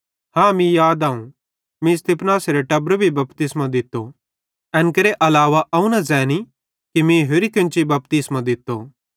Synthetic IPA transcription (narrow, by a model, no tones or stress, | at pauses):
hãːmĩjaːd̪aːũ | mĩst̪ɪpnaːsɾeʈɐbɾbʱibɐpt̪ɪsmãd̪ɪt̪ːo | ɛ̃ːnkɐɾeʔɐlaːʋaʔɐũnazɛːni | kimĩɦeɾikɪ̃nt͡ʃibɐp̚t̪ɪsmãd̪ɪt̪ːo